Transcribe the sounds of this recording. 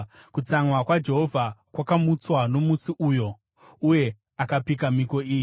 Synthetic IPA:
kut͡saŋwakwad͡ʒe̞ɦo̞vʱakwakamut͡swano̞musiʔujo̞ | uje̞ | akapikamiko̞iːji

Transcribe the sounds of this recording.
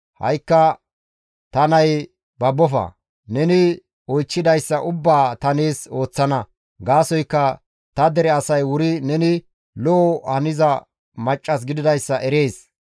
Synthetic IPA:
hɐ̰jkːɐ | t̪ɐnɐj | bɐbːɔfɐ̰ | nɛnɪ | ɔjt͡ʃːɪd̪ɐjsːɐʔʊbːaːt̪ɐneːso̞ːt͡sːɐnɐ | ɡaːsɔjkːɐ | t̪ɐd̪ɛɾɛɐsɐjwʊɾɪnɛnɪ | lɔɔhɐnɪzɐ | mɐt͡ʃʼːɐs̬ɡɪd̪ɪd̪ɐjsːɐʔɛɾe̞ːs

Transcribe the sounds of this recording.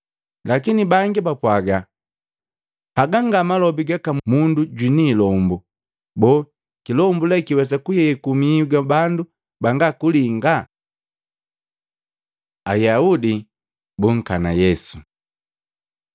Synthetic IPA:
lakinibaŋɡibapwaɡa | paɡaŋɡamalɔbiɡakamunduɟwiniːlɔmbu | bɔ | kilɔmbulɛkiwɛs̬akujɛkumiuɡabandu | baŋɡakuliŋɡa | ajaudi | buŋ̩kana̰jɛsu̥

